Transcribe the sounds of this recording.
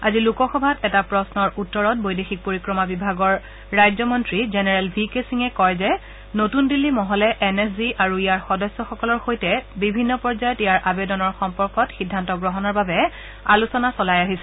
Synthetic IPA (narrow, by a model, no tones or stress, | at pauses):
azilukɔxɔbʱatɛtapɹɔsnɔɹʔutːɔɹɔt̚bojdexik̚poɹikɹɔmabibʱaɡɔɹː | ajzɔmɔntɹizenɛɹɛlbʱikesiŋɛkɔjzɛ | notundilːimɔɦɔlɛʔɛnɛsziʔaɹuijaɹxɔdɔsːɔxɔkɔlɔɹxojtɛbibʱinːɔpɔɹzajɔtijaɹʔabedɔnɔɹxɔmpɔɹkɔtxidʱːantɔɡɹɔɦɔnɔɹbabɛ | alusɔnasɔlajaɦisɛ